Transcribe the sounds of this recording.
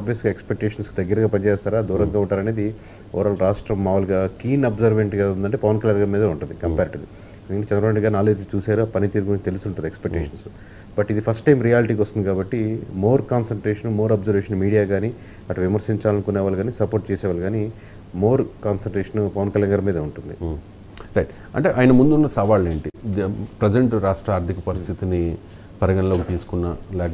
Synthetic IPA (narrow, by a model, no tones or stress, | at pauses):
ɐbʋjɐsɡaːekspek̚ʈeːʂɐnskid̪ɐɡːɐɾɐɡaːpɐnt͡ʃɛːst̪aːɾaːd̪uːɾɐŋɡaːuɳʈaːɾɐne̞ːd̪i | ɔ̰ɾaːlɾaːʂʈɾɐmːaːʋɐluɡaːkiːnɐbzɐɾʋeɳʈɡaund̪ɐɳʈeːpɐʋɐnkɐljaːnɡaːɾmiːd̪ɐuɳʈund̪ikɐmpeːɾʈud̪i | nikɐʈːet͡ʃɛnd̪ɾɐmɐɳɡaːɾnaːlt̪ːit͡ʃuːsaːɾupɐnit̪iːɾukunt̪e̞lusuɳʈːund̪ekspek̚ʈːeʂɐnsu | bɐʈːid̪ipʰɐsʈʈːɐjmɾijaːliʈiːkʋɐst̪und̪ikaːbɐʈːimo̞ːɾkaːnsɐɳʈɾeːʂɐnmo̞ːɾaːbzɐɾʋeːʂɐnmiːɽijaːɡaːni | ɐʈːuʋimɐɾsiɲt͡ʃaːlɐnikunɛːʋaːluɡaːnisɐpoːɾʈ̚t͡ʃɛːsɛːʋaːlɡaːni | mo̞ːɾkaːnsɐʈɾeːʂɐnpɐʋɐnkɐljaːnɡaːɾɐmiːd̪euɳʈund̪i | ɾɐjʈ | ɐ̰ɳʈeːʔaːjnɐmund̪unːɐsɐʋaːleːɳʈipɾed͡ʒɐɳʈɾaːʂʈɾɐaːɾt̪ʰikɐpɐɾist̪ʰit̪ini | pɐɾɐɡɐɳɐloːkit̪iːsu̥kunːalɛːk